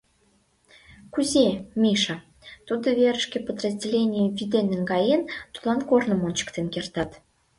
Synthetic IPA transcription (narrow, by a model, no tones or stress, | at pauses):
kuzʲemʲiʃɑ | t̪ud̪əvʲeɾəʃkʲepəd̪rəzʲdʲelʲenʲijəvʲid̪enəŋɡɑjent̪u̥lɑnkornə̆monʲt͡ɕə̥kt̪enkert̪ɑt̪